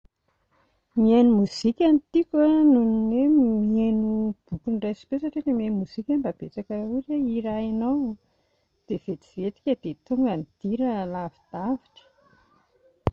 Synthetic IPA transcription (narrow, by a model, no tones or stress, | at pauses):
mienumuz̥ikʲanit̪ikʲanuninemienub̥ukunrajsi̥pesaʈ͡ʂeʈ͡ʂemienumuz̥ikʲanbab̥et͡sakauɾeiɾaenaw | d̪̥ev̥et̪i̥vet̪i̥kʲəd̪̥et̪uŋɡənid̪̥iɾəlavid̪̥aviʈ͡ʂə̥